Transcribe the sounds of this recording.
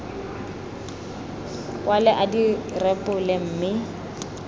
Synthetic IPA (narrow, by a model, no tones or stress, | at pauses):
walɛʔadirɛpʼʊlɪm̩ːmɪ